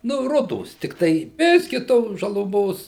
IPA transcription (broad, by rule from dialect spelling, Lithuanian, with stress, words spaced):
nʊ ˈrʊdoːs tʲɪkˈtɐɪ ˈbʲɪsʲkʲɪ ˈtoːs ʒɐlˠʊˈmoːs